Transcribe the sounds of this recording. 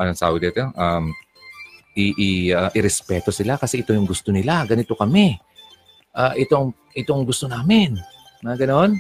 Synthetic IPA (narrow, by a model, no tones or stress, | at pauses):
ʔɐnɐsa̰ːwɪd̪ɛt̪oʔɐm | ʔɪʔɪɐʔɪɾɛspɛːt̪o̞sɪlakɐsɛʔɪt̪o̞jʊŋɡʊst̪o̞nɪlaɡɐnɪt̪o̞kɐmɛ | ʔaːʔɪt̪o̞ŋ | ʔɪt̪oŋɡʊst̪o̞naːmɪn | nɐɡɐno̞n